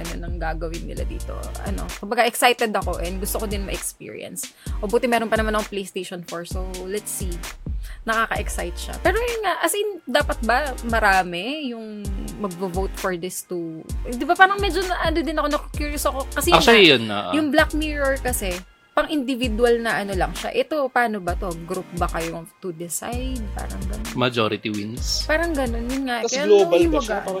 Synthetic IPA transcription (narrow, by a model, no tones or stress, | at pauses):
ɐno̰nɐŋɡaːɡɐwɪnːɪ̰la̰d̪ḭːt̪o̞̰ɐ̰no̞̰kʊmbɐɡaʔɛksajt̪ɛd̪ɐko̞ʔɛnd̪ɡʊst̪okod̪ɪnmɐʔɛkspḭːɹɪ̰ɐ̰ns | ʔobuːt̪ɪmɛːɾonpɐnɐmanʔɐkoplejst̪ejʃonfoɹsowlɛt̪si | nɐkaːkɐʔɛksajt̪̚ʃɐ̰pɛːɾojʊnŋaʔɐsind̪aːpɐt̪̚bɐmɐɾaːmɛjʊŋ | mɐɡ̚bɐvowt̪fɔɹd̪ɪst̪u | d̪ɪbapaːɾɐŋmɛd͡ʒonʔɐnod̪ɪnɐko̞nɐkokjuɹjosɐko̞kɐsɛjɐʃajona̰ʔjʊŋblak̚miɹɛɹkɐsɛ | pɐŋʔɪnd̪ɪvɪd̪walnɐʔɐno̞lɐŋʃa̰ʔɛt̪o̞paːno̞bɐt̪o̞ɡɾup̚bɐkɐjot̪ud̪ɛsa̰jd̪̚pa̰ːɾɐŋɡɐnonmɐd͡ʒo̰ɾɪt̪iwḭnspaːɾɐŋɡɐno̞njʊnŋaʔɐaoʊmɐɡaʔ